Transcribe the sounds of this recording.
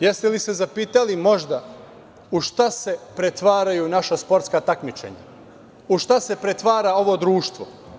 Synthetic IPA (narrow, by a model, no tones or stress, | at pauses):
jest̪elise̞zapiːt̪alimo̞ʒd̪a | uʃt̪ase̞pɾet̪ʋaːɾajunaʃaspo̞ɾt̪skat̪akmit͡ʃḛɲa̰ | uʃt̪ase̞pɾet̪ʋaːɾao̞ʋo̞d̪ɾuːʃt̪ʋo̰